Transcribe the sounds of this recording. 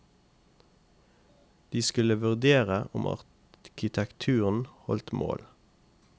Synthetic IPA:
d̪̥iːskʉləʋʉʁd̪eːʁəʔʊmʔɑ̰ʁ | kʰɪt̪ʰɛkt̪ʰʉːʁən̩hɔlt̪mo̰ːl

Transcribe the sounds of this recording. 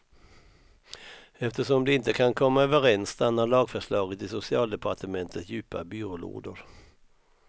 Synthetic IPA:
ɛft̪əʂɔmd̪ɛɪnt̪əkʰankʰɔmːaøːvəɾɛnst̪anːaɭɑːɡfœʂɭɑːɡət̪ɪsʊsɪɑːld̪ɛpʰaʈəmɛnt̪ʰət̪jʉ̟ːpabyːɾʊlo̰ːd̪əɾ

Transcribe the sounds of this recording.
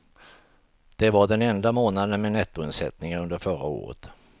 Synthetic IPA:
d̪̥ɛvaɖɛnɛnd̪amoːnad̪ənmɛnɛt̪ːʊɪnsɛ̰t̪nɪŋənɵnd̪əɾfœɾa̰o̰ːɾə̰t̪

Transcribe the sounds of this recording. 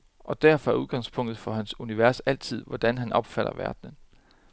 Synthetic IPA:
ʔɒ̽d̥æɐfɒ̽æɐuðˠɡ̥ɑ̈ŋ̰spʰɔ̽ŋ̰d̥ð̩ˠfɒ̽hænsuniʋæɐ̰sæl̰t͡sʰið̞̰ˠʋɒd̥ænɦænʔɒ̽b̥fæɾ̥ɐ̰ʋæɐd̥nən

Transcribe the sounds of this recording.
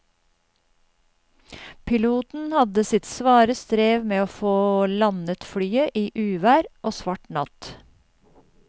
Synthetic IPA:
pʰɪluːt̪n̩hɑd̪əsɪt̪sʋɑːɾəst̪ɾeːʋmeːoːfoːlɑnət̪fɽyːəʔiːʔʉːʋæːɾʔoːsʋɑʈɳɑ̰t̪

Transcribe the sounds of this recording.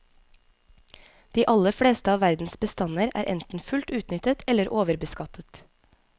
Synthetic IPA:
d̪̥iːʔɑləfɽeːst̪əɑːʋæɾd̪n̩sbəst̪ɑnəɾæ̰ːɾʔɛ̰nt̪n̩fʉlt̪ʉːt̪nʏt̪ət̪ʰɛləɾʔoːʋəɾbəskɑt̪ʰət̪

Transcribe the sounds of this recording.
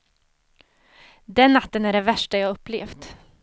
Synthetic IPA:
d̪ɛnːat̪ːənæɖɛvæʂʈajɑhɵpːlḛːft̪

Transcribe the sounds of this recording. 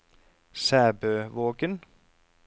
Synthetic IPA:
sæːbøːʋoːkən

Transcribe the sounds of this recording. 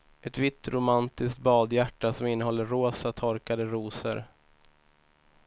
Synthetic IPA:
ʔɛt̪vɪt̪ːɾʊmant̪ɪskt̪̚bɑːd̪jæʈːasɔmɪnːəɦɔlːəɾoːsat̪ʰɔɾkad̪əɾuːsə̰ɾ

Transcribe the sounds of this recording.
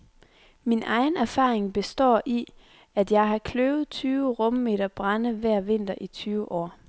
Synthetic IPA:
minʔɑ̈ɪn̩æɐfɑ̰̈ːʁeŋb̥e̝sd̥ɒ̰ːʔi | æd̥jɑ̈ɪɦɑ̈kʰløʊð̩ˠt͡sʰyːʊəʁɔ̽məme̝̰ːɾ̥ɐb̥ʁɑnəʋæɐ̰ʋe̝n̰d̥ɐʔit͡sʰyːʊəʔɒ̰ː

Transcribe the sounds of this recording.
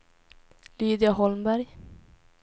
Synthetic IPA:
lyːd̪ɪaɦɔlmbæɾj

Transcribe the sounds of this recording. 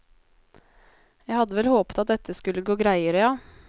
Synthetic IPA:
jæɪhɑd̪ːəʋɛlhoːpə̥t̪ɑt̪̚d̪ɛt̪ʰːəskʉlːəɡoːɡɾæɪəɾəjɑː

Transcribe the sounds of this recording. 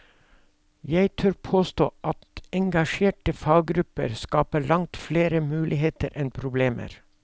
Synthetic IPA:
jæɪt̪ʰœɾpʰoːst̪o̰ːʔɑt̪ɛŋɡɑʃeːʈəfɑːɡ̚ɡɾʉpə̰ɾskɑːpəɭɑŋt̪fleːɾəmʉːlʔɪheːt̪əɾʔɛnpʰɾʊbleːmʔə̰ɾ

